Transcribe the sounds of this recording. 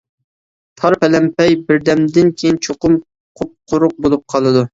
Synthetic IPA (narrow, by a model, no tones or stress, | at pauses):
t̪ʰɑɾpɛlɛmpɛjbɪɾd̪ɛmd̪ɪnkʲʰejint͡ʃʰoqʊm | qʰʊp̚qʰʊɾʊq̚bolˠup̚qʰɑlˠɨd̪u